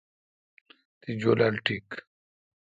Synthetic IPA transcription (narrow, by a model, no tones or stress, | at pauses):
t̪id͡ʑoːlalʈik